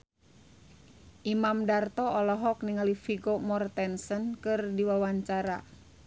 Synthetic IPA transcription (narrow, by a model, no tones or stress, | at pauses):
ʔimamdart̪ɔɔlɔɦɔk̚niŋalifiɡomɔrt̪ɛnsənkɨrdiwawaɲt͡ʃaɾa̰